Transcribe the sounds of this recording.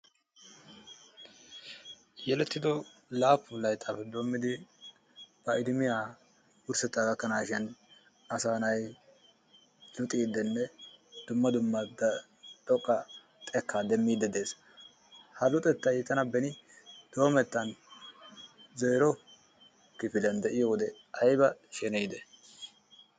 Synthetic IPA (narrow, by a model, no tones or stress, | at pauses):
jɛlɛt̪ːɪd̪ɔlaːpːʊlɐjt̪ʼːɐpɛd̪o̞ːmːɪd̪ɪ | b̥ɐʔɪd̪ɪmɪja | wʊɾsɛt̪ːaɡɐkːɐnaːʃɛn | ɐsaːnɐj | lʊt̪ʼiːd̪ːɛnːɛd̪̥ʊmːɐd̪ʊmːɐd̪ | t̪ʼɔkʼːɐ | t̪ʼɛkːad̪ɛmːiːd̪ɛd̪e̞ːs | hɐlʊt̪ʼɛt̪ːɐjt̪ːɐnɐbɛnɪ | d̪̥o̞ːmɛt̪ːɐn | zeːɾɔ | kɪfɪlɛnd̪ɛʔɪjɔwɔd̪ɛ | ɐjbɐʃɛnɛjd̪ɛ